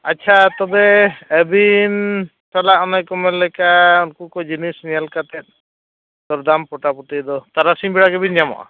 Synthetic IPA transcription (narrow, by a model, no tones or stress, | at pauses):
aːt͡ʃʰat̪ɔbɛːbin | salaʔɔnajkɔmɛlɛkaunkukɔd͡ʒinisnijalkat̪ɛt̪̚ | d̪ɔɾd̪ampɔʈapuʈid̪ɔt̪aɾasimbiɽakɛbinjamɔ̰ʔa̰